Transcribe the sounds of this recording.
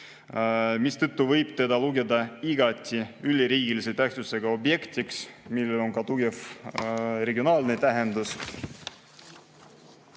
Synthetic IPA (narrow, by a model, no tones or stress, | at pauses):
mist̪ɤt̪ːuvɤjb̥̚t̪e̞d̪ɑluɡe̞d̪ɑiɡ̥ɑt̪ʲːˑiylʲːiɾiːɡiliset̪ːæht̪suse̞ɡ̥ɑo̞bje̞kt̪iksmilːelo̞ŋkɑt̪uɡef | re̞ɡio̞nɑːlnet̪æɦend̪us